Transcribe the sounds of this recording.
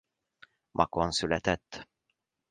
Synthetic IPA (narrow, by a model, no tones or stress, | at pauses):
mʔa̰kɔnsulɛt̪ɛt̪ː